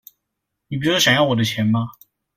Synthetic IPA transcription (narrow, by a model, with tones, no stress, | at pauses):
ni˨˩p̬i˧˥˩ɕɑ˨˩ŋjɑ˥˩ʊwɔ˨˩d̪ə˦t͡ɕʰjɛ˧˥nma˧